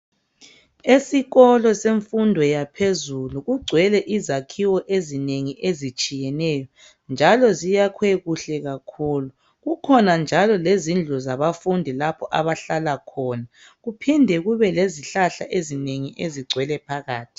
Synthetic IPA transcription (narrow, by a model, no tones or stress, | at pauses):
esiɣɔlɔseɱfundʱɔjapʰezuluɣuɡ͡ǀʱwɛlɛʔizakʰiwɔʔezineŋiʔezit͡ʃʼijɛnɛjɔ | nd͡ʒʱalɔzijakʰwɛɣuɬɛɣakʰuːlu | ɣukʰɔnand͡ʒʱalɔlezind͡ɮʱuzaβafundʱilapʰɔʔaβaɬalakʰɔna | ɣupʰindʱɛɣuβɛleziɬaɬaʔezineŋiʔeziɡ͡ǀʱwɛlɛpʰaɣaːtʰi̥